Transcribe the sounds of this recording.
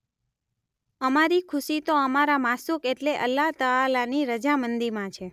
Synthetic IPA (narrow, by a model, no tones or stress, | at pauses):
əmaɾikʰʊʃit̪oəmaɾamasukeʈleʔəlːaɦt̪əːlaniɾəd͡ʒamənd̪iɾmãt͡ʃʰe